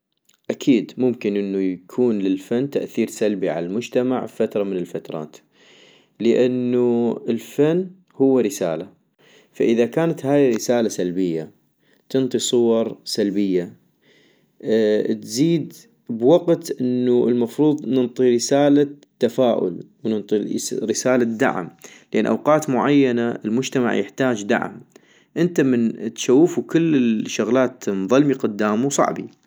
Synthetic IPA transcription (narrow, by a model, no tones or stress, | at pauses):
ʔakʰiːd̪mʊmkɪnʔɪnːujakʰuːnlɪlfanːt̪aʔθiːɾsalbiʕa̰lalmʊd͡ʒt̪amaʕfat̪ɾˤɑmɪnɪlfat̪ɾˤɑ̰ːt̪ | ləʔanːuɪlfanː | hʊwːaɾɪsaːla | faʔɪðakaːnat̪haːjɾɪsaːlasalbɪjːa | t̪ɨnt̪ˤisˤʊwɑɾˤsalbɪjːa | t̪ziːd̪ | bwaqt̪ʔənːuɪlmɑfɾuːðˤnɨnt̪ˤiɾɪsaːlat̪ːafaːʔʊ̰lwnɪnt̪ˤiɾɪsaːlad̪a̰ʕ̰mlʔanːʔa̰wqɑːt̪mʊʕajːanaʔɪlmʊd͡ʒt̪ama̰ʕjɪ̰ħt̪aːd͡ʒd̪a̰ʕ̰m | ʔɪnt̪amɪnt̪ʃawːfukɪlːɪʃːʊɣlaːt̪mðˤɨlmiqʊd̪ːaːmusˤɑ̰ʕbḭ